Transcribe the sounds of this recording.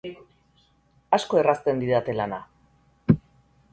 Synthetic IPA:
asko̞e̞rast̪e̞nd̪iðat̪e̞lana

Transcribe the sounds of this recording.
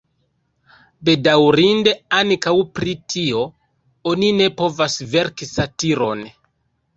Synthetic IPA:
be̞dawɾinde̞aŋkawpɾitʰio̞ | onine̞po̞vasve̞ɾkisatiɾo̞̰n

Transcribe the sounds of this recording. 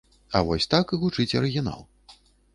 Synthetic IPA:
ɐ̰vɔsʲt̪akɨɣut͡ʂɨt͡sʲɐɾɨɣʲina̰lˠ

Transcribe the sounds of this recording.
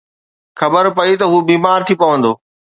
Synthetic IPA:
xɐbəɾpɐit̪ɐɦuːbiːmaːɾt̪ʰipɐʋə̃nd̪oː

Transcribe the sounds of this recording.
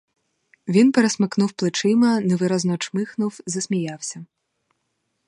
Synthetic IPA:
vʲinpɛɾɛsmɨknuwplˠɨt͡ʂɪmɐnɛʋɨɾɐznɔt͡ʂmɨxnuwzɐsʲmʲijawsʲɐ

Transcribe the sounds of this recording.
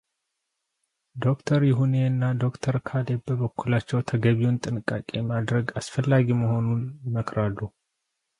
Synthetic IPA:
d̪o̞kt̪ʰəɾjɪɦune̞ɨnːad̪o̞kt̪ʰəɾkʰalebbəβəkːulat͡ʃːɛwt̪ʰəɡəβiunt̪ʼɨnɨkʼːakʼemad̪ɾəɡasfəlːaɡiməho̞nunməkʰɾalːu

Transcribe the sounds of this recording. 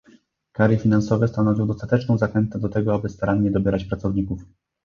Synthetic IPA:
kaɾjɘfʲinansɔvɛst̪anɔvʲiwd̪ɔst̪at̪ɛt͡ʂnɔ̃w̃zaxɛnt̪ɛd̪ɔt̪ɛɡɔabɘst̪aɾaɲːɛd̪ɔbʲjɛɾat͡ɕpɾat̪sɔvɲikuf

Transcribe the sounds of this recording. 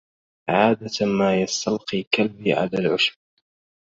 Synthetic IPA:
ʕaːd̪amaːjɑst̪ɑlqiːkalbiːʕa̰laːlʕʊʃb̚

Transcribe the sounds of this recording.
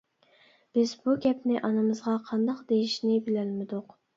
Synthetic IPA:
b̥ɪzbuɡʲɛpnɪʔɑnɨmɨzʁɑqʰɑnd̪ɑqd̪ejiʃnɪbɪlɛlmɪd̪ʊq

